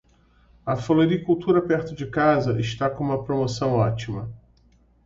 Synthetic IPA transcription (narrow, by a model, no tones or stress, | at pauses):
ɐfoloɾikuwt̪uɾɐpɛɾt̪ʊd͡ʒɪkazɐʔɪʃt̪akõũmɐpɾomosɐ̃w̃ɔt͡ʃimɐ